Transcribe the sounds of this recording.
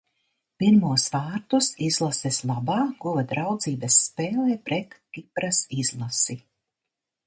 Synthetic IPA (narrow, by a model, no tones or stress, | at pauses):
piɾmuɔsvaːɾt̪usizlˠasɛslˠabaːɡ̥uvad̪ɾawd̪ziːbɐsːpeːlɛːpɾʔɛt̪kipɾasiz̥lˠasi